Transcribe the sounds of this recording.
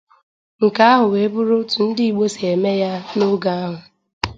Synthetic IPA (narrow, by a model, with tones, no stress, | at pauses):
ŋ̩˨ka˦a˦ɦʊ˨we˨˦bʊ˦ɾʊ˦tu˨n̩˦dɪ˦i˨ɡ͡bo˦se˨e˨me˦ja˦no˦ɡa˦a˦ɦʊ˨